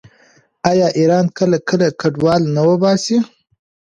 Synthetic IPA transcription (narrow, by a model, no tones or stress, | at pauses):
ajɑʔiɾɑnkəlakəlakaɖwɑlnawəbɑsi